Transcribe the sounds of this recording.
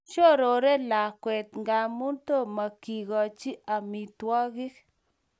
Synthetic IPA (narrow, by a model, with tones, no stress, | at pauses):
t͡ʃo˦˨ɾo˨ɾe˦la˨kwe˨t̪ŋɡa˨˧mu˦nto˦˨ma˨ki˨ɣɔ˨t͡ʃi˦ʔa˨mi˨t̪wɔ˦ɣi˦k